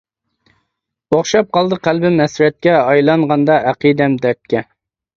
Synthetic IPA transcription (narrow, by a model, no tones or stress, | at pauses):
oχʃɑp̚qɑlˠd̪əqʰælbɪmɛsɾɛt̪̚kʲɛɑjlˠɑŋʁɑnd̪ɑʔæqid̪ɛmd̪ɛt̪̚kʲɛ